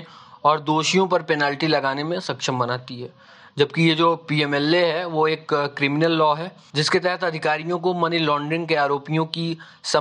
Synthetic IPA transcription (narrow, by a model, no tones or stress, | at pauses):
ɔːɾd̪oːʃijõpɐɾpɛnaːlʈilɐɡaːnemẽsɐkʃəmbɐnaːt̪iɦɛː | d͡ʒɐb̚kijed͡ʒoːpiːɛːmɛːlːeɦɛʋoeːkːɾɪmɪnəlːɔːɦɛː | d͡ʒɪsket̪ɛɦət̪ʰɐd̪ʱɪkaːɾijõkomɐnilɔ̃ːɳɖɾɪnkeaːɾoːpijõki | sɐ